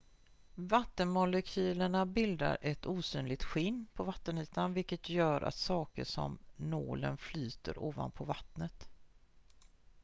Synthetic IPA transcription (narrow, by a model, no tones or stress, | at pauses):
vat̪ːənmʊlɛkʰyːləɳabɪld̪a̰ɾʔɛt̪uːsyːnlɪt̪ɧɪnːpʰɔvat̪ːəniːt̪anvɪlkət̪jœːɾʔa̰t̪sɑːkə̰ʂɔ̰mno̰ːlənflyːt̪ə̰ɾoːva̰npʰɔvat̪nət̪